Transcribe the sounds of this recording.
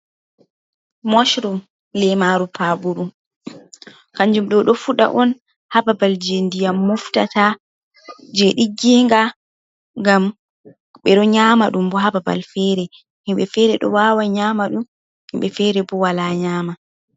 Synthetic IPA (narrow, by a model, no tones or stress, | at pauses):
mɔʃɾum | lɛmaːɾupʰabuɾum | kaɲd͡ʒumɗɔɗɔfuɗa̰ʔɔn | hababald͡ʒendijamːufta̰ta | d͡ʒɛɗiɡiŋɡa | ŋɡam | ɓɛɗɔɲamaɗumbɔɦababa̰lfɛɾɛ | himɓɛfɛɾɛɗɔ̰waːwaɲaːmaɗum | himɓɛfɛɾɛbɔwalaɲaːma